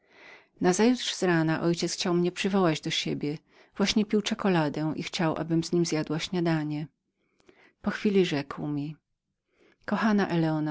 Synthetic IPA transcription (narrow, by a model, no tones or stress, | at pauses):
nazajut̪ʂz̥ɾanaʔɔjt͡ɕɛt̪sxt͡ɕawmɲɛpʂɘvɔwad͡ʑd̪ɔɕebʲjɛ | vwaɕɲɛpʲiwt͡ʂɛkɔlad̪ɛʔḭxt͡ɕawʔa̰bɘmz̥ɲimzʲjad̪waɕɲad̪aɲɛ | pɔxfʲilʲiʐɛkwmʲi | kɔxanaʔɛlɛɔna